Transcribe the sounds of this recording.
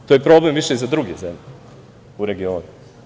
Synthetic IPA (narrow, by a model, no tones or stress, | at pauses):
t̪ojepɾo̞blemviʃeizad̪ɾuɡezemʎe | uɾe̞ɡio̞ːnu